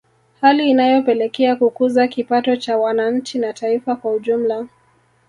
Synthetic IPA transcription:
haliːnajɔpɛlɛkɛakukuzakipatɔt͡ʃawanaɲ̩t͡ʃinataifakwauʄum̩la

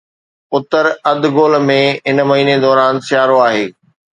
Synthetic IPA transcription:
ʊt̪əɾɐd̪ɡoːlmẽɪnmɐɦiːned̪ɔːɾaːnsɪjaːɾoaːɦeː

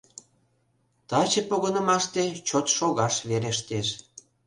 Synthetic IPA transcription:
t̪ɑt͡ɕepoɣənə̆mɑʃt̪et͡ɕot̪ʃoɣɑʃβeɾeʃt̪eʃ

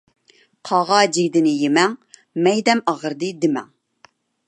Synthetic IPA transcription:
qʰɑʁɑd͡ʒiɡʲd̪ɪnɪjemɛŋ | mɛjd̪ɛmɑʁəɾd̪ɨd̪ɪmɛ̰ŋ

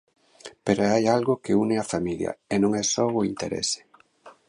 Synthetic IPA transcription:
peɾoajalɣʊkɪunɪafamiljɐ̰enõŋɛsɔʊint̪eɾḛsɪ̥

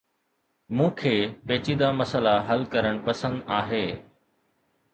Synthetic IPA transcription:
mũːkʰeːpeːt͡ɕid̪amɐsəlaɦɐlkɐɾəɽ̃pɐsə̃nd̪aːɦeː

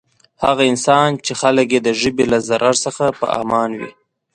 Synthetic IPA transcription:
haɣaɪnsɑnt͡ʃexalək̬jed̪əʒəbelazaɾʔaɾsəxapə̰ɑ̰mɑnwḭ

